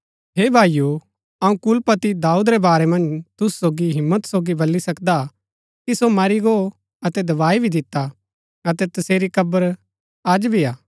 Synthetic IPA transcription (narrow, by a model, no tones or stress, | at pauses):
ɦeːbʱaːju | ɐũkʊlpɐt̪id̪aːuːd̪ɾɛbaːɾɛmɐ̃nd͡ʒt̪ʊssoːɡiɦɪmːət̪soːɡibɐlːisɐkd̪a | kisomɐɾiɡo | ɐt̪ɛd̪ɐʋaːibʱid̪ɪt̪ːa | ɐt̪ɛt̪ɐseːɾikɐbəɾ | ad͡ʒbʱiaː